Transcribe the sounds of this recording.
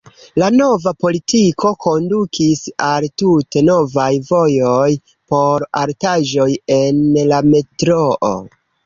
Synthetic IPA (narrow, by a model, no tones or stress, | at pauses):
lano̞vapo̞litikʰo̞ko̞ndukʰisaltute̞no̞vajvo̞jo̞j | po̞ɾa̰ɾtaʒo̞je̞nlame̞tɾo̞ʔo̰